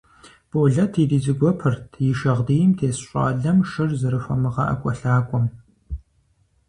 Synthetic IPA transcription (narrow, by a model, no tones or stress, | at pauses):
b̥oːɮɐtʰiːdiːzɨɡʷɔpʰɨrtʰjɪʃɐʁdijɪmtʰeːsɕʷʼɑ̰ːɮɐmʃɨrzɨɾɨfɐmɨʁɐ̰ʔɐ̰kʷʼɔɬaːkʷʼɔm